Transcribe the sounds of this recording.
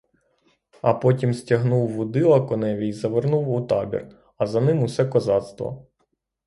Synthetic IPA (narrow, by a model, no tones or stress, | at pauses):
ɐpɔtʲimsʲtʲɐɦnuwːʊd̪ɪlˠɐkɔnɛʋʲijzɐʋernuwʊt̪ɑbʲḭr | ɐzɐnɪmʊsɛkɔzɑt̪st̪ʋɔ̰